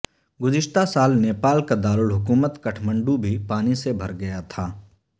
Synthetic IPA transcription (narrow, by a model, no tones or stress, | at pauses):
ɡʊd͡ʒɪʃt̪ʰasaːlneːpaːlkad̪aːɾʊlɦʊkuːmət̪kɐʈʰmə̃ɳɖubʱipaːnisebʱɐɾɡɐjat̪ʰaː